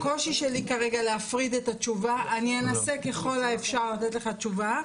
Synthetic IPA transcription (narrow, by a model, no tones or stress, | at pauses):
ko̞ʃiʃelikaʁeɡaleafʁid̪etat͡ʃuvaʔanienaseke̞χo̞laefʃaʁlat̪etle̞χat͡ʃuva